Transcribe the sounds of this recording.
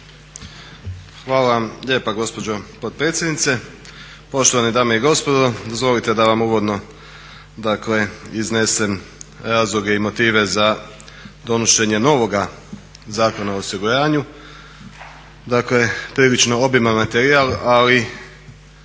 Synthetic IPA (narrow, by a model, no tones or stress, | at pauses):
xʋaːlaʋamʎe̞ːpaɡo̞spo̞d͡ʒo̞pod̪̚pɾet̪sjed̪nit̪se̞ | po̞ʃt̪oʋanid̪aːme̞iɡo̞spo̞d̪o̞d̪ozʋo̞lit̪ed̪aʋamuːʋo̞d̪no̞ | d̪akle̞izne̞se̞mɾaːzlˠuɡe̞imo̞t̪iːʋe̞za | d̪o̞noʃe̞ɲe̞no̞ʋo̞ɡa | zaːko̞naoosiɡuɾaːɲu | d̪akle̞pɾiːlit͡ʃno̞obimamat̪eɾialali